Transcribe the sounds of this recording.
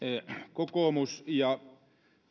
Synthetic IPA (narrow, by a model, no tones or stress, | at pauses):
kokoˑmusjɑ